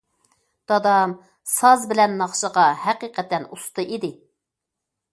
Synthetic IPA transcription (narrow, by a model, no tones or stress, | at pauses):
d̪̥ɑd̪ɑm | sɑzbɪlɛnːɑχʃəʁɑhæqiqɛt̪ːɛnust̪ɨʔid̪ɪ